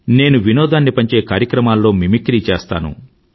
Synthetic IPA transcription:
ne̞ːnuʋinɔːd̪aːnːipɐɲt͡ʃe̞ːkaːɾjɐkɾɐmaːlːo̞ːmimikɾiːt͡ʃɛːst̪a̰ːnṵ

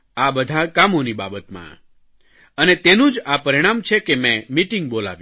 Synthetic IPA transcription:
abəd̪ʱakamoniba̰bət̪mã̰ | ənet̪enũd͡ʒapəɾiɽ̃amt͡ʃʰekemɛ̃miʈĩŋɡ̚bola̰ʋj̃

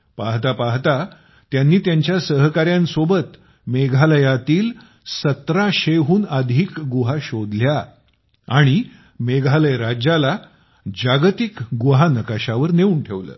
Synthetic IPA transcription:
paɦt̪apaɦt̪a | t̪janːiːt̪jaɲt͡ɕjasəɦkaɾjãnsobət̪ | meɡʱaləjat̪iːl | sət̪ɾaɕeɦuːnəd̪ʱiːkɡuɦaɕod̪lja | aɽ̃i | meɡʱaləjɾad͡ʑala | d͡ʑaɡt̪ikɡuɦanəkaɕaʋəɾneuːnʈʰeʋlə̰ː

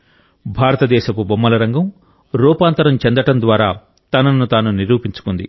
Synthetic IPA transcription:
bʱaːɾɐt̪ɐd̪ɛːʃɐpubɐmːɐlɐɾɐŋɡɐm | ɾuːpaːnt̪ɐɾɐmt͡ʃend̪ɐʈɐnd̪ʋaːɾaː | t̪ɐnɐnːut̪aːnuniɾuːpiɲt͡ʃu̥kund̪i

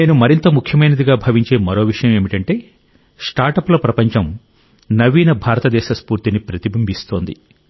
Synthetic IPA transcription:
ne̞ːnumɐɾint̪ɐmukʰjɐmɐjnɐd̪iɡaːbʱɐʋiɲt͡ʃe̞ːmɐɾo̞ːʋiʂɐjɐmeːmiʈɐɳʈe̞ː | sʈaːɾʈɐplɐpɾɐpɐɲt͡ʃɐm | nɐʋiːnɐbʱaːɾɐt̪ɐd̪ɛːʃɐspuːɾt̪inipɾɐt̪ibʱɐmbʱist̪o̞ːnd̪i

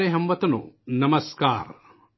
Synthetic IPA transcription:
eɦɐmʋɐt̪ɐno̰nɐmɐskaːɾ

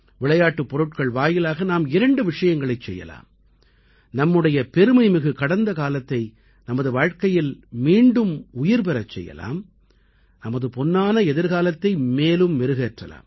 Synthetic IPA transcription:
ʋɪɭɐjaːʈːɯpːɔɾɯʈkɐɭʋaːjɪlaːɣɐnaːmɪɾɐɳɖɯʋɪʂɐjɐŋɡɐɭɐɪt͡ʃsɛjːɐ̰la̰ːm | nɐmːɯɽɐjɐpɛɾɯmɐɪmɪɣɯkɐɽɐnd̪ɐkaːlɐt̪ːɐɪ | nɐmɐðɯʋaːɻkɐjɪlmiːɳɖɯmʊjɪɾp̬ɛɾɐt͡ʃːɛ̰jːɐ̰la̰ːm | nɐmɐðɯpɔnːaːnɐɛðɪɾɣaːlɐt̪ːɐɪmeːlɯmʋɛɾɯɣeːʈrɐ̰la̰ːm

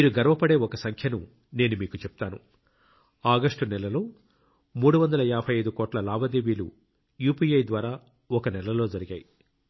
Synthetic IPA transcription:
miːɾuɡɐɾʋɐpɐɽe̞ːɔkɐsɐŋkʰjɐnu | ne̞ːnumiːkut͡ʃɛp̚t̪aːnu | aːɡɐʂʈunɛlɐlo̞ː | muːɽuʋɐnd̪ɐlɐjaːpʰɐjɐjd̪ukɔːʈlɐlaːbɐd̪eːʋiːlṵ | juːpiːjɐjd̪ʋaːɾaː | ɔkɐnɛlɐlo̞ːd͡ʒɐɾiɡaːji

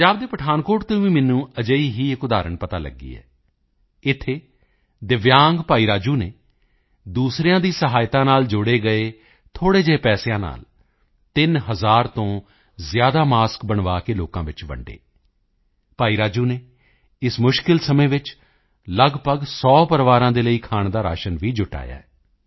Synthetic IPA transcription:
əd͡ʒaːb̚d̪eːpəʈʰaːnkoːɾʈt̪õːʋĩːmɪnːũːəd͡ʒəiːɦiːɪkʊd̪aːɾəɳpət̪aːlə̰ɡḭːɛ̰ː | ɪt̪ʰːeː | d̪ɪʋjaːŋɡpaːiːɾaːd͡ʒuːneː | d̪uːsɾejãːd̪iːsəɦaːjt̪ãːnaːld͡ʒʊɽeːɡəeː | t̪ʰoːɽeːd͡ʒeːpɛːsjãːna̰ːl | t̪ɪnɦəzaːɾt̪õː | zɪjaːd̪aːmaːskbəɳʋaːkeːloːkãːʋɪt͡ʃbə̰ɳɖḛː | paːiːɾaːd͡ʒuːneː | ɪsmʊʃkɪlsəmẽːʋɪt͡ʃ | ləɡpəɡsɔːpəɾʋaːɾãːd̪eːləiːkʰaːɳd̪aːɾa̰ːʃənʋiːd͡ʒʊʈa̰ːja̰ːɛː

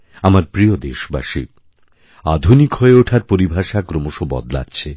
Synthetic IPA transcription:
amaɾpɾijod̪eʃba̰ʃḭ | a̰d̪ʱunikɦoeoʈʰaɾpoɾibʱaʃakɾomoʃobɔ̰d̪la̰a̰ːt͡ɕʰe

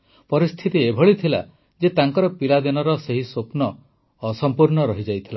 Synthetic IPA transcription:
pɔɾist̪ʰit̪iebʱɔɭit̪ʰila̰ | d͡ʒet̪aŋkɔɾɔpilad̪inɔɾɔseɦisopnɔː | sɔmpuɾɳɔɾɔɦid͡ʒajt̪ʰila

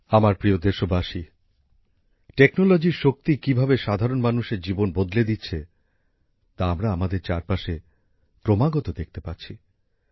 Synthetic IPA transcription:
amaɾpɾiod̪eɾʃobaʃi | ʈeknolod͡ʑiɾʃok̚t̪ikibʱabeʃad̪ʱaɾonmanuʃeɾd͡ʑibonbod̪led̪itːɕʰe | t̪aamɾaamad̪eɾt͡ɕaɾpaʃe | pɾomaɡot̪od̪ek̚ʰt̪epatːɕʰi

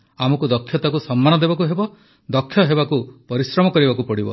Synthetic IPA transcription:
amɔkud̪ɔkʰːjɔt̪akusɔmːanɔd̪ebak̬uɦebɔ | d̪ɔkʰːjɔɦebakupɔɾisɾɔmɔkɔɾibakupɔɽibɔ̰

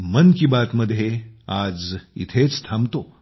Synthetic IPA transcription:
mənkibat̪məd̪ʱːjead͡zḭt̪ʰet͡st̪ʰamt̪o

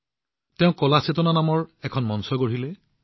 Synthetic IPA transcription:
tɛʊ̃kɔlasetɔnanamɔɹɛkʰɔnmɔnsɔɡoɹilɛ

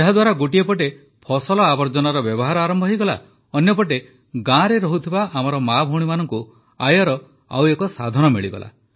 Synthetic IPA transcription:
aɦad̪waɾaɡuʈiepɔʈ̬e | pʰɔsɔlɔabɔɾd͡ʒɔnaɾɔbjɔbɔɦaɾɔaɾɔmbʱɔɦijɡɔla̰ | ɔnjɔpɔʈ̬e | ɡãɾeɾɔɦut̪ʰibaamɔɾɔmabʱoɽ̃imanɔŋku | a̰jɔɾɔ | a̰wekɔsad̪ʱɔnɔmiɭiɡɔ̰la̰

